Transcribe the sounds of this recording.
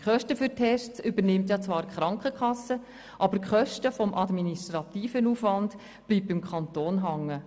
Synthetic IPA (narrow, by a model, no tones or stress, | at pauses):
χœʃtəfʏɾtʰɛʃtt͡sʏbənɪmt̬jɑt͡sʋɑːɾkχɾɑŋkəkχɑsːə | ʔɑbəɾkχœʃtəfɔmʔɑdminiʃtɾɑtiːfənuːfʋɑnd | b̥liːb̚ɪmkʰɑntoːnɦɑŋːə